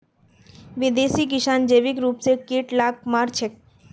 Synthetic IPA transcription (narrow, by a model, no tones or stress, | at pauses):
ʋid̪esik̬ɪʃand͡ʒeʋikɾuːpsekiʈlak̚maɾt͡ʃʰe